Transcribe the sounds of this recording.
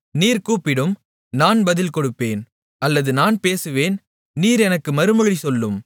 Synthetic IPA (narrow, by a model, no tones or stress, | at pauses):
niːɾkuːpɪɽɯm | naːnbɐðɪlkɔɽɯpːeːn | ʔɐlːɐðɯnaːnpeːsɯʋeːn | niːɾɛnɐkːɯmɐɾɯmɐɻisɔlːɯm